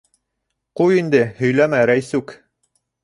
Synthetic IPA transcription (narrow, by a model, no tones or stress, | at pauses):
qujind̪ɘhɵ̆jlæmæɾæjsʉk